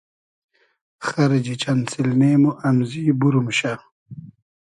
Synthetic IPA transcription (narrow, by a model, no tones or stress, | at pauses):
xɐɾed͡ʑit͡ɕansilmeːmoʔamzibuɾumɕa